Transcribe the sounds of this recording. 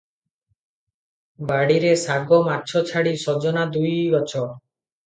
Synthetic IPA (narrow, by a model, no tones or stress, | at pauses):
baɽiɾesaɡomaɾt͡ʃʰɔt͡ʃʰaɽisɔd͡ʒɔnad̪ujbɔt͡ʃʰɔ